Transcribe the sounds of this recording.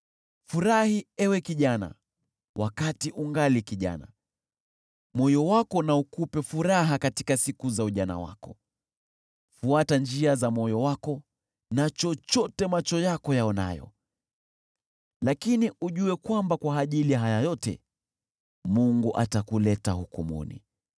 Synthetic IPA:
fuɾahiɛwɛkiʄana̰ | wʔakatiʔuŋɡalikiʄa̰na̰ | mɔjɔwakɔnaukupɛfuɾaɦakati̥kasikuzauʄana̰wa̰kɔ | fuatand͡ʒiazamɔjɔwakɔ | nat͡ʃɔt͡ʃɔtɛmat͡ʃɔjakɔjaɔna̰jɔ̰ | lakiniʔuʄuɛkwambakwaːʄilijaɦajajɔtɛ̰ | muŋɡuʔatakulɛtahukṵmṵnḭ

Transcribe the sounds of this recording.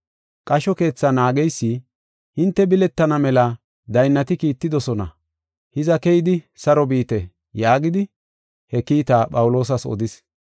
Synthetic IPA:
kʼɐʃɔke̞ːt͡sːɐnaːɡɛjsːɪ | hɪnt̪ːɛbɪlɛt̪ːɐnɐmɛlɐ | d̪ɐjnːɐt̪ɪkiːt̪ːɪd̪ɔsɔnɐ̰ | hɪzɐkɛjɪd̪ɪsɐɾɔbiːt̪ɛ | jaːɡɪd̪ɪ | hɛkiːt̪aːpʼɐwʊlo̞ːs̬ɐsɔ̰d̪ɪs

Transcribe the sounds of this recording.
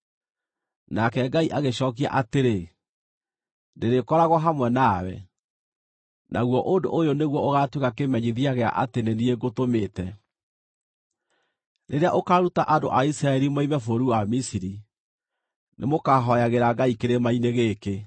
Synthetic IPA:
nakɛɡaiʔaɣeɕɔːk̬ia̰ʔateɾe | neɾekɔɾaɣwɔɦamwɛnawɛ̰ | nʔaɣwɔʔondo̰ʔojoneɣwɔoɣatwekakemɛɲiðiaɣea̰ʔatenenieɡotometɛ | nʔeɾeaʔokaɾutaʔando̰ʔaisɾaɛɾimaimɛfoɾuwamisiɾi | nʔemokaɦɔjaɣeɾaɡaikeɾemaineɣeke

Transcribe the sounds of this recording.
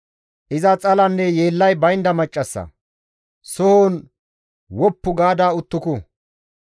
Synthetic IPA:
ʔɪzɐt͡sʼɐlɐnːɛjeːlːɐjbɐjnd̪ɐmɐt͡ʃʼːɐsːɐ̰ | sɔhoːn | wɔpːʊɡaːd̪aːʊt̪ːʊkʊ

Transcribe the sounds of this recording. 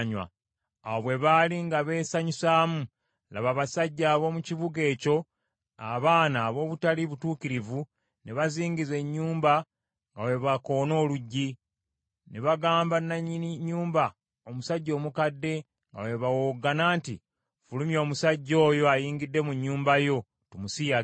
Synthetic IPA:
ɲwa̰ | awoβwe̞βaliŋɡaβe̞ːsaɲusaːmu | la̰βaβasaɟːaːβo̞muciβuɡe̞ːco̞ | aβaːnaːβo̞ːβutaliβutuːkiɾivu | neβaziːŋɡize̞ɲːuːmba | ŋɡawe̞βako̞ːno̞ːluɟːi | neβaɡaːmbanːaɲiniɲːuːmba | omusaɟːo̞ːmukadːe̞ | ŋɡa̰we̞βawoɡanaːntḭ | fulumjo̞ːmusaɟːo̞ːjo̞ajiːŋɡidːe̞muɲːuːmbajo̞ | tumusija

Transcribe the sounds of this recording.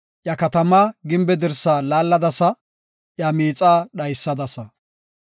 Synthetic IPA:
ʔjɐkɐt̪ɐmaɡɪmbɛd̪ɛɾsaːlaːlːɐd̪ɐsɐ | ʔjamiːt͡sʼaːɗɐjsːɐd̪ɐsɐ

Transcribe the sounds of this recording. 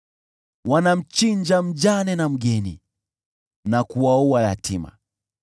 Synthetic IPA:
wanam̩t͡ʃiɲd͡ʒam̩d͡ʒanɛnam̩ɡɛnḭ | nakuwaualatima̰

